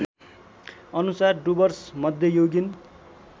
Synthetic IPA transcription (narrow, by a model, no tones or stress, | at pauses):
ʌnusarɖubʌrsmʌd̪ʱjʌjoɡin